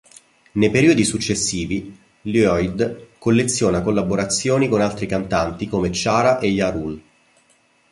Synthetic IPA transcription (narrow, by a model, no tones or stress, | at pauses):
nejpeɾiːod̪isut͡ʃːesːiːvi | luɔjd̪kolːet̪sːjoːnakolːaboɾat̪sːjoːnikonalt̪ɾikant̪ant̪ikoːmet͡ʃaːɾaʔejaɾul